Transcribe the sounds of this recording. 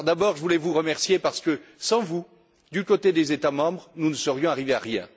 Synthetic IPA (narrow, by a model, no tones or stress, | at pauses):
d̪abɔʁʒəvulɛvuʁəmɛʁsjepaʁsə̥kəsɑ̃vu | d̪ykot̪ed̪ezet̪amɑ̃bʁnunəsəʁjɔ̃aʁivea̰ʁjɛ̰̃